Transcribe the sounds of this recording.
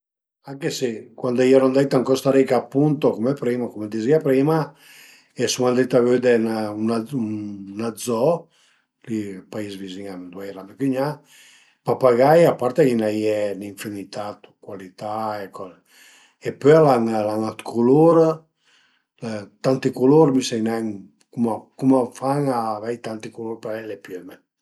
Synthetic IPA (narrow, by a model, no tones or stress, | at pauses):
aŋkesekwand̪aiɛɾɔnd̪ɛt̪aŋkɔst̪aɾikaːpːunt̪okɔmɛpɾiːmakomed̪iziapɾima | ɛsumand̪ɛt̪avød̪enaunaunad̪zɔ | lipaisviziŋad̪wɛjɾamɛkyɲa | papaɡajapaɾt̪ekinajɛniɱfinit̪at̪u̥kwalit̪aekɔ | epøalaŋlaŋat̪kʰuloɾ | t̪ant̪ikuloɾmisɛjnɛŋ | kumakumafaŋaːvɛjt̪ant̪ikuloɾpalɛlepjøme